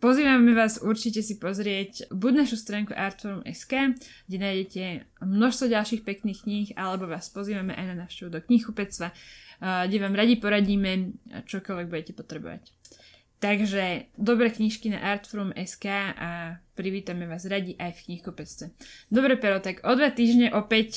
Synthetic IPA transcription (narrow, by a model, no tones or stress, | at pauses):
pɔziːʋamɛʋaːzuɾt͡ʃicɛsipɔzɾɪɛcbuɟnaʃust̪ɾaːŋkuʔaːɾt̪fɔɾumɛ̰skaːɡɟɛnaːjɟɛcɛmnɔʃst̪ʋɔɟalˠʃiːxpɛkniːxkɲixalɛbɔʋaːspɔziːʋamɛʔa̰jnanaʊʃcɛʋud̪ɔkɲixkupɛt͡s̪ʋa | ɡɟɛʋaːmɾaɟipɔɾaɟiːmɛt͡ʃɔkɔlʋɛɡ̚buɟɛcɛpɔt̪ɾɛbɔ̰ʋa̰c | t̪aɡʒɛd̪ɔbɾɛːkɲiʃkina̰ʔaːɾt̪fɔɾumɛskaːʔapɾiʋiːt̪amɛʋaːzɾaɟiʔajfkɲixkupɛt͡st̪ʋɛd̪ɔbɾɛpɛɾɔt̪aɡʔɔd̪ʋat̪iːʒɲɛʔɔpɛc